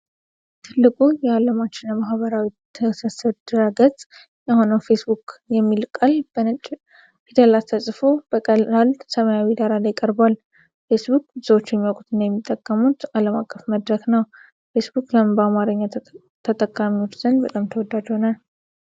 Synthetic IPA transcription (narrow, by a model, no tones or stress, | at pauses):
t̪ʰɨlːɨkʼujɛaləmat͡ʃːɪnəmaɦβəɾawit̪ʰːəsəsəd̪ɾaɡət̪ʼ | jaho̞nəwfe̞sbukjɛmːilkʼalbət͡ʃʼ | fʰit̪ʰəlat̪ʰəsʼfobəkʼəalsəməjawid̪aɾalajɪkʼəɾbal | fe̞sbukʼbɨzəwo̞t͡ʃːjɛmːiokʼut̪ʰɨnːjɛmːit̪ʼːəkʼːəmut̪aləmakʼːəfməd̪ɾəknəw | fe̞sbukʼləmbəamaɾəɲːa | t̪ʰət̪ʼəkʼːamiwo̞t͡ʃːz̥ənbət̪ʼamt̪ʰəwɔd̪ad͡ʒhonal